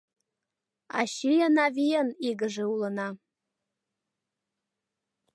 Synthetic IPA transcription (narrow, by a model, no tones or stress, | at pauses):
a̰ʃijanavijaniɡɨʐɨwlana